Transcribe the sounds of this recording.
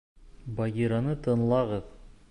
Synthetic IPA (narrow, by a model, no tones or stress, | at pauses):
bɑɡʲiɾɑnɤt̪ʰɤ̆nlˠɑʁɤð